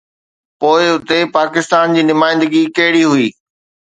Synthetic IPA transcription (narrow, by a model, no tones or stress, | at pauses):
poːɪʊt̪epaːkɪst̪aːnd͡ʑiːnʊmaːɪ̃nd̪əɡikɐɦɪɽiɦʊiː